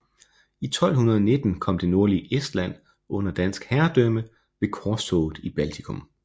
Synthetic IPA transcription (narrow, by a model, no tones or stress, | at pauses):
it͡sʰɒ̽l̰ɦunɐðˠɒne̝d̥n̩kʰɒ̽m̰d̥e̝no̝ɐliesd̥læn̰ | ɔ̽n̰ɐd̥æn̰sɡ̥hæɐd̥ømə | ʋ̥e̝kʰɒːsɔ̰ːð̩ˠib̥ælt͡sʰikʰɔ̽m